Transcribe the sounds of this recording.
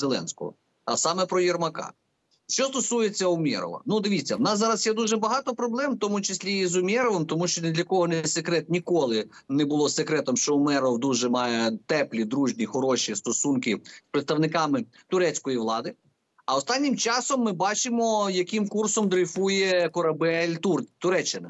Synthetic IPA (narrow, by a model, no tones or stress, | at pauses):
zelˠɛ̰nsʲkɔ̰ɔ̰ | ɐ̰sɑmɛpɾɔjɛrmɐkɑ̰ | ʃt͡ʃɔst̪ɔsujet͡sʲːɐɔmʲɛ̰ɾɔ̰ʋɐ̰nud̪ɪʋʲit͡sʲːɐwnɑsːɑɾɐsjɛd̪uʒɛbɐɦɑt̪ɔpɾɔblˠɛmt̪ɔmʊt͡ʃɪsʲlʲizʊmʲɛɾɔʋemt̪ɔmuʃt͡ʃɔnɛd̪lʲɐkɔɦɔnɛsekɾɛt̪nʲikɔlˠɪ | nɛbʊlˠɔsekɾɛt̪ɔmʃt͡ʃɔɔmɛɾɔwd̪uʒɛmɑjɛt̪ɛplʲid̪ɾuʒnʲixɔɾɔʃist̪ɔsunkɪspɾɪt̪st̪ɐʋnɪkɑmɪ | t̪ʊɾɛt͡sʲkɔjiʋlˠɑd̪ɪ | ɐɔst̪ɑnʲːimt͡ʃɑsɔmːɪbɑt͡ʃɪmɔjɐkimkursɔmd̪ɾɪfujɛkɔɾɐbɛlʲt̪urt̪ʊɾɛt͡ʃːɪnɐ